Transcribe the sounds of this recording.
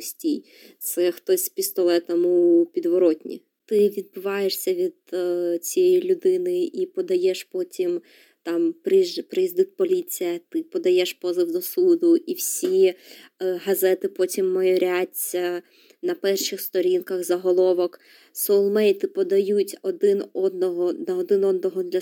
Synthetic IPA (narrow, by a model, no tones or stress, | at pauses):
pʊsʲtʲij | t̪sɛxt̪ɔsʲpʲist̪ɔlˠɛt̪ɐmupʲid̪ʋɔɾɔtʲnʲḭ | t̪ɪʋʲid̪̚bɪʋɑjeʂsʲɐʋʲid̪t͡sʲijɛjilʲʊd̪ɪnɪipɔd̪ɐjɛʃpɔtʲim | t̪ɑmpɾpɾɪjizd̪ut̚ʲpɔlʲit͡sʲijɐt̪ɪpɔd̪ɐjɛʃpɔzɨwd̪ɔsud̪ʊʔiwsʲi | ɦɐzɛt̪ɪpɔtʲimːɔjɔɾʲatʲɐ | nɐpɛrʃɪxst̪ɔɾʲinkɐɣzɐɦɔlˠɔʋɔk | sɔlˠmɛjt̪ɪpɔd̪ɐjutʲɔd̪ɪnɔd̪nɔɦɔnɐɔd̪ɪnɔd̪nɔɦɔd̪lʲɐ